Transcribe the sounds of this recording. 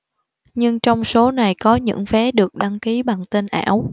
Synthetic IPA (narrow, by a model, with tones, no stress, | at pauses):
ɲɨ˧ŋt͡ɕɔ˧wŋ͡mso˨˦na˨˩jkɔ˨˦ɲɨ̰˧˥ŋfɛ˨˦ɗɨ˨˩ək̚ɗa˧ŋki˨˦ɓa˨˩ŋt̪e˧nʔa̰ː˧˩˥w